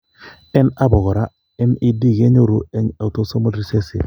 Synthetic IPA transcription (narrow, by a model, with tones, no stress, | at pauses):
ɛ˦na˦bɔ˨ɣɔ˨ɾa˦ | ɛ˦nɪ˦di˦˨ɡe˦ɲo˦ɾo˨e˦ɲa˨to˦so˦mo˦dɾi˦se˦sɪ̰˨